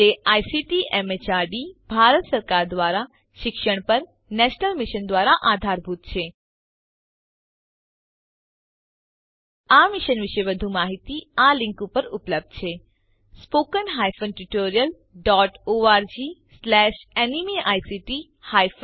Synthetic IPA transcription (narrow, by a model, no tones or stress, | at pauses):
eajsiʈiʔɛmet͡ʃaɖibʱaɾət̪səɾkaɾd̪ʋaɾa | ʃɪkʃəɳ̃pəɾ | nɛʃnəlmɪʃənd̪ʋaɾaʔad̪ʱaɾbʱut̪t͡ʃʰe | amɪʃənʋɪʃeʋəd̪ʱũmaɦit̪ialɪ̃ŋkupəɾupləb̚d̪t͡ʃʰe | spokənɦajfənʈuʈoɾijəl | ɖɔʈoaɾd͡ʒislɛʃenimiʔajsiʈi | hajf